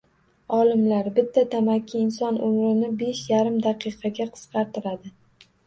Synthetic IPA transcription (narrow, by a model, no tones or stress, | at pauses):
ɒlɪmlaɾbɪt̪ʰːat̪ʰamakʲʰːɪɪnsɒnʔʊmɾɪnɪbe̞ʃjaɾɪmd̪aqʰɨjqʰɑɡʲaqʰɨ̥sqʰɑɾt̪ɪɾad̪ɪ